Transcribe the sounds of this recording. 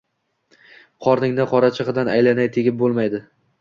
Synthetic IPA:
qʰɒɾnɪŋnɪqʰɒɾat͡ʃʰɨʁɨd̪anajlanajt̪ʰeɡʲɪp̚bolˠmajd̪ɪ

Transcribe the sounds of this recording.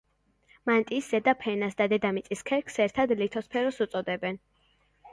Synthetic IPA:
mant̪ʼiszɛd̪apʰɛnasd̪ad̪ɛd̪amit̪sʼiskʰɛɾkʰsɛɾt̪ʰad̪lit̪ʰɔspʰɛɾɔsut̪sʼɔd̪ɛbɛn

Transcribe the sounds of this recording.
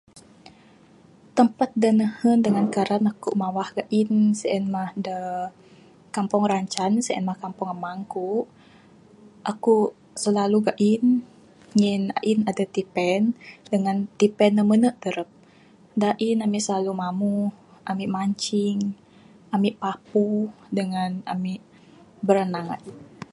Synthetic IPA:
t̪əmpat̪̚dənəhəndəŋankaɾanakuʔmawahɡaʔinsəʔɛnmahdə | kampɔŋraɲt͡ʃansəʔɛ̰nmahkampɔŋamaŋkuʔ | ʔakuʔ | səlaluɡaʔin | ŋina̰ʔinadat̪ipɛndəŋant̪ipɛnːəmənəʔt̪əɾəp̚ | daʔinamiʔsəlalumamuhʔamiʔmaɲt͡ʃiŋ | amiʔpapudəŋanamiʔ | bəɾənaŋa̰ʔin

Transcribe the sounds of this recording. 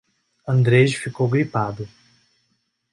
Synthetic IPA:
ɐ̃nd̪ɾed͡ʒfikowɡɾipad̪ʊ

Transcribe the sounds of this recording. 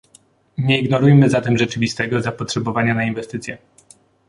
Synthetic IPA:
ɲɛiɡnɔɾujmɘzat̪ɛmʐɛt͡ʂɘvʲist̪ɛɡɔzapɔtʂɛbɔvaɲanainvɛst̪ɘt̪sʲjɛ

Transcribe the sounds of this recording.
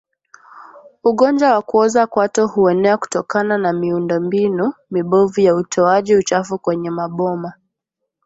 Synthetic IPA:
uɠɔnd͡ʒawakuɔzakwatɔhuɛnɛaku̥tɔkananamiundɔmbinumiɓɔvujautʰɔaʄiut͡ʃafukwɛɲɛmaɓɔma

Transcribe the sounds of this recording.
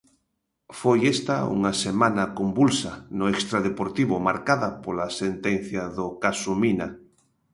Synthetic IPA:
fojest̪aṵŋasemãnakombulsanʊekst̪ɾaðepoɾt̪iβʊmaɾkaðapolasent̪en̟θjaðokasumina

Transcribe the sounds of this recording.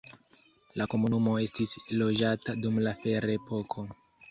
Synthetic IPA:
lako̞munumo̞e̞stislo̞d͡ʒatadumlafe̞ɾepo̞kʰo̞

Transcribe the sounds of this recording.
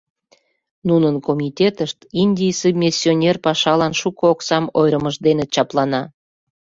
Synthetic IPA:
nunənkomʲitʲet̪əʃt̪inʲdʲijsubmʲesʲːionʲerpɑʃɑlɑnʃukooksɑmojɾəməʒd̪enet͡ɕɑplɑnɑ

